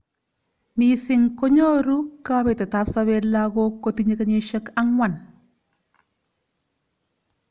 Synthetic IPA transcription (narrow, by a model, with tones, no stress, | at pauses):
misɪ˨ŋko˦ɲo˦ɾu˦ka˦be˨te˨ta˦psa˦βe˦laɡo˦ko˦ti˦ɲe˦ka˦ɲe˦ʃə˦ka˦ŋwa˨n